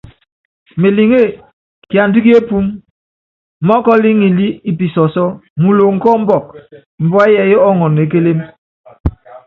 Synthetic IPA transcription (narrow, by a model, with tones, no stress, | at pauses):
me˨li˨ŋe˦˨ | kja˨n̩˨di˦ke˦pu˦m˨ | mɔ˦kɔ˦li˦ŋi˨li˦i˦˨pi˨sɔ˨sɔ˦mu˨lo˨ŋ̩˨kɔ˦m̩˦bɔ˦˨k̚ | m̩˨bwa˦jɛ˨jɔ˦ɔ˦ŋɔ˨ne˨˦ke˦le˦m